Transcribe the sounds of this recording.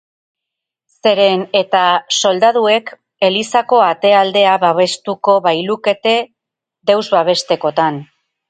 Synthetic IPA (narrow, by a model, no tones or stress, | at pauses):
se̞ɾe̞ne̞t̪aso̞ld̪aðue̞k | e̞lisako̞at̪e̞ald̪e̞aβaβe̞st̪uko̞βajluke̞t̪e̞ | d̪e̞wzβaβ̞e̞st̪e̞ko̞t̪an